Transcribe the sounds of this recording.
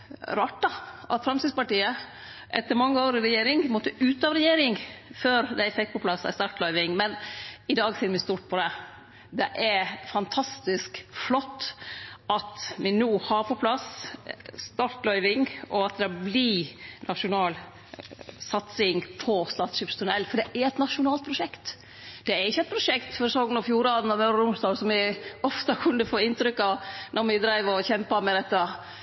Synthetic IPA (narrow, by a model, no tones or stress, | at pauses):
ɾɑʈ̪ːɑʔɑ̰t̪fɾɑmsɪd̪spɑʈiːə | ʔɛt̪ːəɾmɑŋːəoːɾɪɾɛjeːɾɪŋmɔt̪ːəʔʉːt̪ɑʋɾɛjeːɾɪŋføːɾd̪æɪfɛkt̪̚pʰɔpʰlɑsæ̰st̪ɑːɾʈ̪lœʏʋɪŋmɛnɪd̪ɑːɡsɪɾmɪst̪uːʈ̪̚pʰɔd̪ɛ | d̪ɛʔæɾfɑnt̪ʰɑst̪ɪskflɔt̪ːɑt̪mɪnuːhɑɾpʰɔpʰlɑs | st̪ɑɾt̪lœʏʋɪŋɔɑt̪̚d̪ɛblinʔɑʂʊnɑːl | sɑt̪sɪŋpʰɔst̪ɑːt̪sʃɪːpst̪ʰʊnɛlːfɔɖ̪ɛʔæɾɛt̪nɑʂʊnɑːlt̪̚pʰɾʊʂɛkt̪ | d̪̥ɛæɾɪçːəɛt̪̚pʰɾʊʂɛkt̪fɔɾɛsɔŋːənɔfjuːɾɑːd̪n̩ɑʋmœʉɾəɾʊmsd̪ɑːlsɔmɪɔft̪ɑkʰʉnːəfoːɪnt̪ɾʏkːɑʋnɔɾmɪd̪ɾæɪʋɔçɛmpɑmɛd̪ɛt̪ːɑ